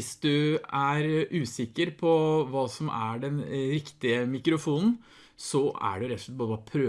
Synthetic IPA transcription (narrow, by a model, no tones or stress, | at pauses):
ɪsd̪ʉæɾʔʉːsɪkːəɾpʰɔʋɑːsɔmʔæ̰ɖɛnɾɪkt̪ɪəmɪkɾʊfuːnn̩ | sɔæ̰ɖʉɾɛt̪ɔ̥ʂlɛt̪̚bɑːɾəbɑpʰɾøː